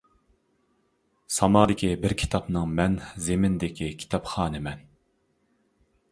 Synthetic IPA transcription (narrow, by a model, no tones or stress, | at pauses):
sɑmɑːd̪ɪkʲibɪɾkʲʰi̥t̪ʰɑpnɨŋmɛnzemɪnd̪ɪkʲikʲʰi̥t̪ʰɑpχɑːnɨmɛn